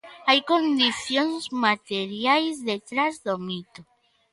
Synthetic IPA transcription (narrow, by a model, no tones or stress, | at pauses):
ajkõnd̪iθjonzmat̪eɾjajzðet̪ɾazðomit̪o